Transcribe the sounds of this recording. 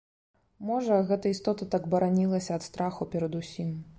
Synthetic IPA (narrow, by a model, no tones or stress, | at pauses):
mɔʐɐɣɛt̪ɐist̪ɔt̪ɐt̪aɡbɐɾanʲilˠɐsʲɐɐt̪st̪ɾaxupʲɛɾɐd̪usʲim